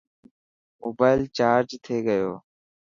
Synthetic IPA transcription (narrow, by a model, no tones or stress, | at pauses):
ʊbəɪlt͡ʃaːɾd͡ʒt̪ʰeːɡəjoː